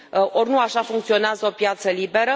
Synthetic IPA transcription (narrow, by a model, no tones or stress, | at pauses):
ʔo̞rnuaʃafuŋkt̪sio̞neazəo̞pjat̪səlibe̞ɾə